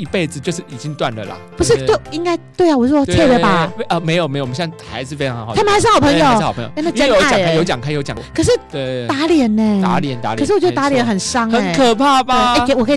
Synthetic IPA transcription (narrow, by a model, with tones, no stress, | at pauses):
i˧pe˥˩ɪd͡zɹ̩˨t͡ɕjo˧ʂ̬ɻ̩˥˩i˨˩t͡ɕi˦ŋt̪wa̰˥˨˩nlə̰˩lɐ̰˩pu˧ʂ̬ɻ̩˥˧t̪we˥˩i˥ŋka˥ɪt̪we˥˩ɪa˨wɔ˥t͡sʰɛ˥˧d̪ə˨ba˨˩˥ʔə˧me˧˥ɪjo˨˩me˧˥ɪjɕjɑ˥˧˩ŋxa̰˧˦ɪʂ̩˥fe˥ɪɑ˧˥˧sʰmə˨˩˧ʂ̩˥ɑ˨ʊpʰə˧˥ŋjo˨˩˧ʊ˥˨˩pʰə̰˧˦jo̰˨˥˧na˥˩˥o˧˦˥t͡ɕkʰjo˧˥t͡ɕjɑ˨ŋkʰa˥˩˨jo˧˥ʊt͡ɕjɑ˨˩ŋkkʰɤ˨˩ʂ̬ɻ̩˥˩e˥˩t̪a˧˥ljɛ˨˧˦nɛ˥˧˩a̰˧˦jɛ˨˧˦nt̪a˧˦˨ʂ̬ɻ̩˥˩wt͡ɕjo˥˩˨a˧˥ljɛ˧˦nxə˨˩nʂɑ˥ŋə˦ɛ˨nkʰə˨˩pʰa˥˩ba˧e˥˩˧wɔ˨˩kʰ